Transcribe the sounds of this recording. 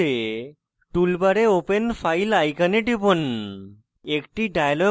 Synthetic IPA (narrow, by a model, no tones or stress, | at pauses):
e | ʈulbaɾeopenfajlajkaneʈibon | ekʈiɖajalɔ